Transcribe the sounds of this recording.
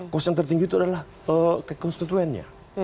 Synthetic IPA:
kɔsjaŋt̪ərt̪iŋɡiːt̪uadalah | əkəkɔnst̪it̪uɛnɲa̰

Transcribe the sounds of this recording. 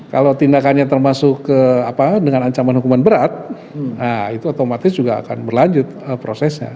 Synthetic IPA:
ka̰lat̪indakanɲat̪ərmasʊkːəapadəŋanaɲt͡ʃamanhukumanbəɾat̪̚ | nait̪uot̪omat̪ɪsd͡ʒuɡa̰ːkanbərlaɲd͡ʒʊt̪̚əpɾosɛsɲa̰

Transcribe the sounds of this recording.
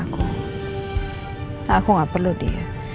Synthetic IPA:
kʰoŋ | hakʰoŋapaludḭ

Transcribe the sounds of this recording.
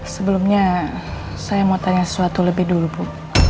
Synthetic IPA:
səbəlumɲa | sajamot̪aɲasə̥suat̪uləbɪdulubʊŋ

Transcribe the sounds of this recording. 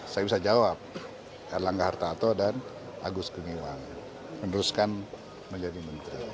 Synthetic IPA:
sajabisad͡ʒawap̚ | alaŋɡahart̪at̪ɔdan | ʔa̰ɡʊskəŋiwaŋ | mənəɾuskan | məɲd͡ʒadimənt̪ɾi

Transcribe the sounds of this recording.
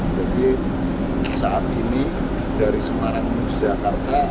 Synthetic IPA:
d͡ʒadi | saat̪̚ini | daɾisəmaɾaŋmənud͡ʒid͡ʒakart̪a

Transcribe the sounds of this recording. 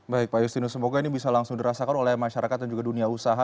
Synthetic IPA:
baɪk̚pajust̪inusəmoɡainibisalaŋsʊŋdiɾasakanolɛhmaʃaɾakat̪̚dand͡ʒuɡaduniausaɦa

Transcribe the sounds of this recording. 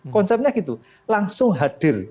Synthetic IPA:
kɔnsɛp̚ɲakit̪u | laŋsʊŋɦad̪̥ɪ̤r

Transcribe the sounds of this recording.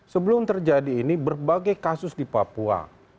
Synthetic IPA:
səbəlʊmt̪ərd͡ʒadiːnibərbaɡajkasʊsdipapua̰

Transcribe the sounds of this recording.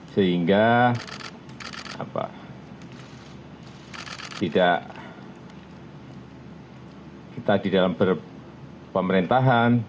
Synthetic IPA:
səɦiŋɡa | a̰pa̰ | t̪idaʔ | kit̪aːdidalampər | pəməɾint̪aɦan

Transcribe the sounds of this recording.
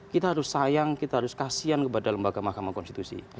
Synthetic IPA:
kit̪aɦaɾʊsːajaŋkit̪aɦaɾʊskasiankəpadaləmbaɡamahkamahkɔnst̪it̪usḭ

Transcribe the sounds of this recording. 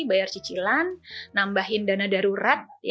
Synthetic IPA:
bajart͡ʃit͡ʃilanːambaɦɪndanadaɾuɾat̪̚j

